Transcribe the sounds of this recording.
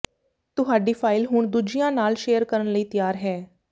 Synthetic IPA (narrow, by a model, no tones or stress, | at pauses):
t̪ʊɦaːɖiːpʰaːɪlɦʊɳd̪uːd͡ʒijãːnaːlʃeːəɾkəɾənləiːt̪ɪjaːɾɦɛː